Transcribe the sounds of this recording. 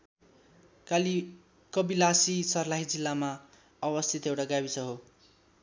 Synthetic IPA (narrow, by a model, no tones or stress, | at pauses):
kʌbilasisʌrlaɦid͡zilːama | ʌbʌst̪ʰit̪ewʈaɡaβisʌɦo